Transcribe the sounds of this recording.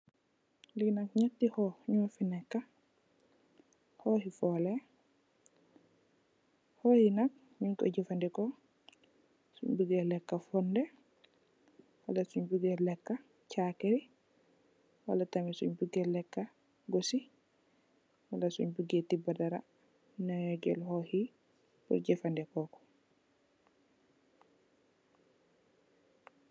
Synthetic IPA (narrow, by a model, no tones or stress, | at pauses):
liɡnakɲatːihɔɲɔːfinɛkːa | hɔhifɔːlɛ | hɔhinak̚ | ɲuɲkɔ̰ɟifandikɔ | sṵɲbuɡɛlɛkːafɔndɛ | wa̰lasuɲbuɡelɛkːa | t͡ʃakɛɾi | wa̰latamisṵɲbuɡɛlːɛkːa | ɡosi | walasṵɲbuɡɛtibadaɾa̰ | naɔɟɛ̰lhɔhi | bɔ̰ɟɛfandɛkɔkɔ̥